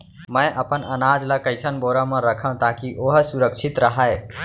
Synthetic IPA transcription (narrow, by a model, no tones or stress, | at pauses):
mə̃jʔəpənənad͡ʒləkəɪsənboɾə̃mẽɾəkʰə̃w̃t̪akiʔoɦsuɾəkʃʰit̪ɾəɦəe